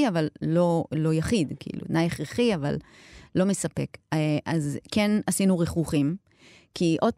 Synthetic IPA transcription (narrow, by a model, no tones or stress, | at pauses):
avallo̞lo̞jaχid̪kiḭlṵtnajeχʁeχiava̰lː | o̞mesape̞̰kazkenasinuʁeχuχim | kʰiʔo̞d̚